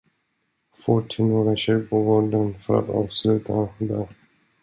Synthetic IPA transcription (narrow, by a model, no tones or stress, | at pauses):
foːʈʰːɪnoːɾaɕɛːpʰɔɡoːɖənfœɾa̰t̪ɑ̰ːvslʉ̟ːt̪ʰad̪ɛ